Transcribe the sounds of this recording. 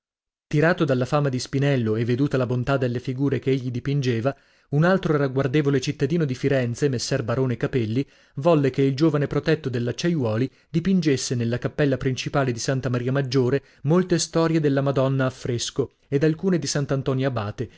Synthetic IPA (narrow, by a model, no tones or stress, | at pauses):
t̪iɾaːt̪od̪alːafaːmad̪ispinɛlːoevːed̪uːt̪alabont̪ad̪ːelːefiɡuːɾekeeʎːid̪ipind͡ʒeːva | unalt̪ɾoraɡward̪eːvolet͡ʃit̪ːad̪iːnod̪ifiɾɛnt̪semesːɛrbaɾoːnekapɛlːi | vɔlːekeild͡ʒoːvanepɾot̪ɛt̪ːod̪elːat͡ʃːajwɔːli | d̪ipind͡ʒesːenelːakapːɛlːapɾint͡ʃipaːled̪isant̪amaɾiːamad͡ʒːoːɾe | molt̪est̪ɔːɾjed̪elːamad̪ɔnːaːfːɾesko | ed̪alkuːned̪isant̪ant̪ɔnjabaːt̪e